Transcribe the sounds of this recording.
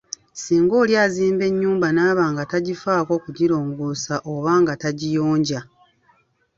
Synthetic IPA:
siːŋɡo̞ːljaːziːmbe̞ɲːuːmbanaːβaːŋɡataɟifaːko̞ːkuɟiɾoːŋɡusaʔoβaːŋɡataɟijoːɲɟa

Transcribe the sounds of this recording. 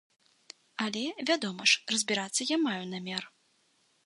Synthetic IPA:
ɐlʲɛvʲad̪ɔmɐʂrɐzʲbʲiɾat̪sːɐjamajunamʲɛr

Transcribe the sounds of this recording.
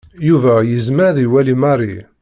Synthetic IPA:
juvæjəzməɾðiwælimarˤi

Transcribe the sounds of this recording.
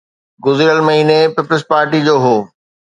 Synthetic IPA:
ɡʊzɪɾəlmɐɦiːnepiplspaːɾʈid͡ʑoːɦoː

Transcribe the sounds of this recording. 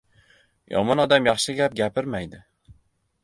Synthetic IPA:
jɒ̰mɒnɒd̪amjɑχʃɪɡʲap̚ɡʲapɪɾmajd̪ɪ

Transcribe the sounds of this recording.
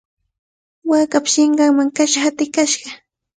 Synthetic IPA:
waːkapʃɪɴɢɑŋmaŋkaʃahat̪ɪkaʃɢɑ

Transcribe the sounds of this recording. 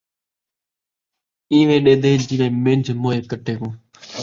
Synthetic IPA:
ĩːʋẽːɗeːd̪eːd͡ʒɪːʋẽːmẽnd͡ʒʱmoːeːkəʈʰeːkõː

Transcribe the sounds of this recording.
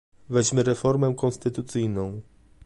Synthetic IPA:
vɛʑmɘɾɛfɔɾmɛkɔ̃nst̪ɘt̪ut̪sɘjnɔ̃w̃

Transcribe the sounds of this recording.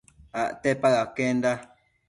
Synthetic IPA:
aʔtɛpaɣakɛn̩da

